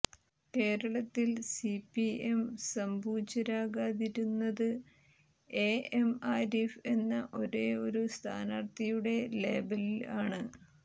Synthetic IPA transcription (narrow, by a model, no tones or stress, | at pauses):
ke̞ːɾɐɭɐt̪ːilsipie̞msɐmbʱuːit͡ɕːɐɾaːɣaːðiɾunːɐðɨ | e̞emaːɾefe̞nːɐʔo̞ɾeːo̞ɾust̪ʰaːnaːrt̪ɐjuɽe̞le̞ːbɐlilaːɳɨ